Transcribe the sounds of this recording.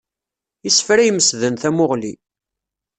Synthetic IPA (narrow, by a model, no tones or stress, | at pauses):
əsfɾæjməsðənθæmʊʁlḭ